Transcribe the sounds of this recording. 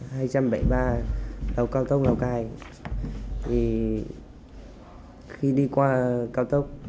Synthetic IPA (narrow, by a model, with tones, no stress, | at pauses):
ɦaː˧jt͡ɕa˧mɓa˧˩jɓaː˧ɗə˨˩wkaː˧wt̪ə˦˥wk͡p̚nə˨˩wkaː˨˩j | t̪ʰi˨˩ | xi˧ɗi˧kwaː˧kaː˧wt̪ə˦˥wk͡p̚